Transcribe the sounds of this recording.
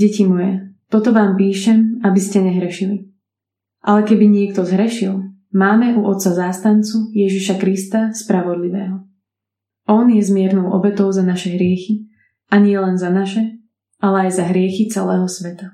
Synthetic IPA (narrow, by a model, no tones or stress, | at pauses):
ɟɛcimɔjɛt̪ɔt̪ɔʋaːmpiːʃɛmabiscɛɲɛɦɾɛʃili | ʔa̰lɛkɛbiɲɪɛkt̪ɔzɦɾɛʃilˠ | maːmɛʔuʔɔt̪sazaːst̪ant͡sujɛʒiʃakɾist̪aspɾaʋɔd̪liʋɛːɦɔ | ɔnjɛzmɪɛɾnɔʊʔɔ̰bɛt̪ɔʊzanaʃɛɦɾɪɛxi | aɲɪɛlɛnzanaʃɛ | ʔalɛajzaɦɾɪɛxit͡sɛlɛːɦɔsʋɛt̪a